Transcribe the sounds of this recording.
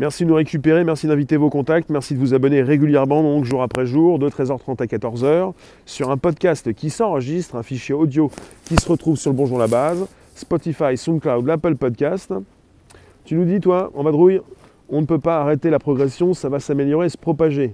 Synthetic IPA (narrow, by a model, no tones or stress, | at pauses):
mɛʁsid̪ənuʁekʲypeʁemɛʁsid̪ɛ̃vit̪evokɔ̃t̪ak̚t̪mɛʁsid̪əvuzabɔneʁeɡʲyljɛʁmɑ̃d̪ɔ̃kʒuʁapχɛʒuʁd̪ət̪χɛzœʁt̪χɑ̃t̪akat̪ɔʁzœʁ | syʁɛ̃pɔd̪kʲast̪kʲisɑ̃ʁəʒist̪χɛ̃fiʃjeɔd̪jokʲisəʁət̪χuvsyʁləbɔ̃ʒuʁd̪əlabaz | spɔt̪ifajsɔ̃klawd̪lapəlpɔd̪̚kʲast̪ | t̪ynud̪it̪waɑ̃vad̪ʁuj | ɔ̃nəpøpaːʁet̪elapχɔɡʁɛsjɔ̃savasameljɔʁeesə̥pχɔpaʒe